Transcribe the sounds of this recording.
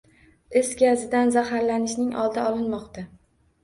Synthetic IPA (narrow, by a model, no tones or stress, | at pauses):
ɪsɡʲazɪd̪anzaɦaɾlanɪʃnɪŋʔɒ̰lˠd̪aɒlɪnmɒqt̪a